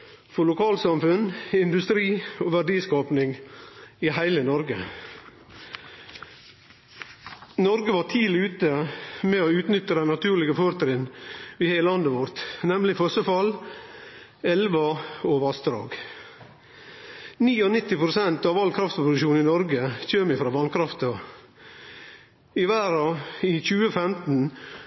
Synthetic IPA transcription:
fɔɭʊkʰɑːlsɑmfʉnɪnd̪ʉst̪ɾiːoːʋæɖiːskɑːpnɪŋ | iːhæɪlənɔɾɡə | nɔɾɡəʋɑːʈʰiːlɪʉːt̪əmɛoːʉːt̪nʏt̪ːəd̪æɪnɑt̪ʰʉːɾlɪɡəføːɾt̪ɾɪnʋiːheːəlɑnd̪əʋɔɾt̪nɛmlɪfɔsəfɑl | ɛlʋɑoʋɑsd̪ɾɑ̰ːɡ | niːɔnɪt̪ːɪpɾʊsɛnt̪ɑːʋɑlkʰɾɑft̪pʊd̪ʉʃuːnɪnɔɾɡəçøːmɪfɾɑːʋɑnkʰɾɑft̪o | ɪʋæːɾɑiːçʉːəfɛmt̪n̩

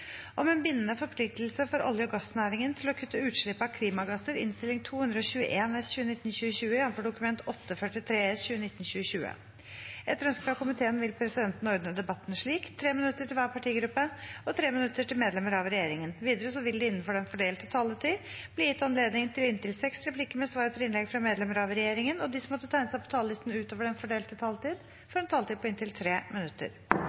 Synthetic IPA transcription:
ʔɔmeːnbɪnːənəfɔɾpʰlɪk̚t̪lsəfɔɾʔɔ̰ljəɡɑsnæːɾɪŋənt̪ʰɪlɔkʰʉt̪ːəʉːt̪ʂɭɪpːəɑkʰliːmɑɡɑsəɾɪ̰nst̪ɪlɪŋt̪ʰuːhʉnd̪ɾəɔɕʉːə̰ʔeːnɛsçʉːənɪt̪ːn̩ɕʉːəɕʉːəjɛnːfɔɖʊkʉmɛnt̪ʰɔt̪ːəfœʈɪt̪ʰɾeːɛsɕʉːənɪt̪ːən̩ɕʉːəɕʉːə̰ | ɛt̪ːɾœnskɾɑkʊmɪt̪ʰeːənʋɪlpʰɾɛsɪd̪ɛnt̪nɔɾd̪nəd̪ɛbɑt̪ːnʂɭiːkt̪ʰɾeːmɪnʉt̪ːəʈʰɪlʋæːɾpɑʈʰiːɡɾʉpːəɔt̪ʰɾeːmɪnʉt̪ːəʈɪlmeːd̪lɛməɾɑʋɾɛjeːɾɪŋənʋiːd̪əɾəsɔʋɪld̪ɪɪnːnfɔɖɛnfɔɖeːlt̪ət̪ʰɑlːət̪ʰɪbliːjɪt̪ːɑnleːd̪nɪŋt̪ʰɪlɪnt̪ɪlsɛksɾɛpʰlɪkːəmɛsʋɑːɾt̪ʰəlɪnlɛɡfɾɑmeːd̪lɛməɾɑʋɾɛjeːɾɪŋənɔd̪ɪsɔmɔt̪ːət̪ʰæɪnəsæɪpʰɔ̥t̪ʰɑːləlɪst̪n̩ʉːt̪oːʋəɖɛnfɔɖeːlt̪ət̪ʰɑːlt̪iːd̪ | fɔɾɛnt̪ʰɑːlt̪iːd̪̚pʰɔɪnt̪ɪlt̪ʰɾeːmɪnʉt̪ːə̰ɾ

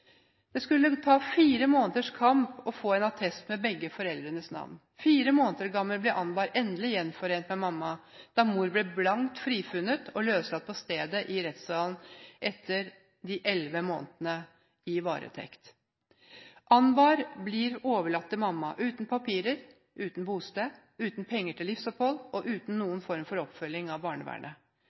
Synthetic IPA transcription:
d̪̥ɛskʉlːət̪ʰɑːfiːɾəmoːnət̪əʂkʰɑmpɔfoːɛnɑt̪ʰɛst̪mɛbɛɡːəfɔɾɛld̪ɾənəsnɑ̰ʋn | fiːɾəmoːnət̪əɾɡɑmːəlblɛʔɑnbɑːɾɛnd̪əlɪjɛnfɔɾeːnt̪mɛmɑmːɑd̪̥ɑmuːɾblɛblɑŋt̪fɾiːfʉnːət̪ʰɔløːʋslɑt̪̚pʰɔst̪eːd̪əʔɪɾɛt̪sɑːln̩ʔɛt̪ʰːəɾ | d̪ɪʔɛlʋəmo̰ːnt̪nə | ɪʋɑ̰ːɾə̰t̪ʰɛ̰kt̪ | ʔɑnbɑːɾblɪɾoːʋəɭɑt̪ːəmɑmːɑʔʉːt̪n̩pʰɑpʰiːɾəɾ | ʔʉːt̪nbuːst̪eː | ʉːt̪n̩pʰɛŋːəʈʰɪlɪfsɔphɔlɔʔʉːt̪n̩nːuːənfɔɾmfɔɾɔpfœlɪŋɑʋbɑːɳəʋæ̰ːɳə

